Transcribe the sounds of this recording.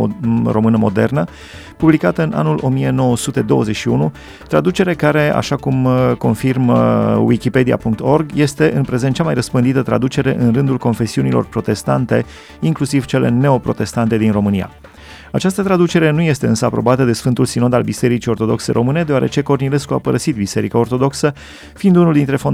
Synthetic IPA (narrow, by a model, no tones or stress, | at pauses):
ro̞mɨnəmo̞d̪e̞̰rnə | publikat̪əɨna̰nulʔo̞mije̞no̞wəsut̪e̞d̪o̞wəze̞ʃiunu | t̪ɾad̪ut͡ʃe̞ɾe̞kaɾe̞a̰ʃakumko̞nfirmwikʲipe̞d̪ia̰puŋk̚t̪o̞rɡje̞st̪e̞ʔɨnpɾe̞zent̪̚t͡ʃamajrəspɨnd̪it̪ət̪ɾa̰d̪ut͡ʃe̞ɾe̞̰ʔɨnrɨnd̪ulko̞nfe̞siunilo̞̰rpɾo̞t̪e̞st̪ant̪e̞ | iŋklusiv̥t͡ʃe̞le̞̰ne̞o̞pɾo̞̰t̪e̞st̪ant̪e̞d̪inro̞mɨnija̰ | at͡ʃast̪ət̪ɾad̪ut͡ʃe̞ɾe̞nuje̞st̪e̞ɨnsəapɾo̞bat̪əd̪e̞sfɨnt̪ulsino̞d̪albise̞ɾit͡ʃio̞rt̪o̞d̪o̞kseɾʔo̞mɨne̞d̪ea̰ɾet͡ʃe̞ko̞rnile̞skua̰pəɾəsit̪bise̞ɾikaort̪o̞d̪o̞ksə | fiːnd̪unuld̪int̪ɾe̞fon